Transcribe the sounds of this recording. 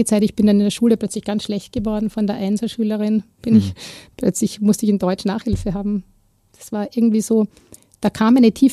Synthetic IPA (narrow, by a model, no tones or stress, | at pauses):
ət͡saɪtɪçb̥ɪndanɪndeːɐʃuːləplœt͡slɪçɡ̥ansʃlɛçt̚ɡ̥əvɔɐdn̩fɔndeːɐʔaɪnzl̩ʃyːləʁɪnb̥ɪnɪçplœ̰t͡slɪçmʊstəɪçɪndɔʏt͡ʃnaːχhɪlfəɦaːbm̩ | d̥ḁsv̥aːɐʔɪɐɡŋ̩tv̥iːz̥oː | d̥aːkʰaːmʔæɪnətʰiːf